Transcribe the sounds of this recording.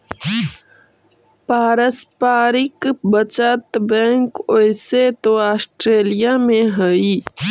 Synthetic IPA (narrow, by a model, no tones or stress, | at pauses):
paːɾəspaːɾɪkbət͡ʃət̪bɛ̃ːŋkoɪset̪oaːsʈɾeːlijamẽɦəi